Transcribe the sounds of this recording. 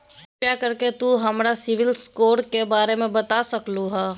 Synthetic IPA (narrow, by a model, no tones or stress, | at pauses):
jakɐɾket̪uɦɐmɾasɪʋɪlskoːɾkebaːɾemẽbɐt̪asɐkluɦaː